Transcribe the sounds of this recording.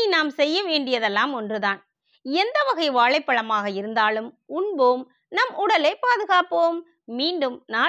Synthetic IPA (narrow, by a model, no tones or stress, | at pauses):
naːmsɛjːɐʋeːɳɖɪjɐðɛlːaːmɔndrɯðaːn | ɛnd̪ɐʋɐɣɐɪʋaːɭɐɪpːɐɭɐmaːɣɐɪɾɯnd̪aːlɯm | ʊɳboːm | nɐmʊɽɐlɐɪpaːðɯɣaːpoːmː | iːɳɖɯmnaː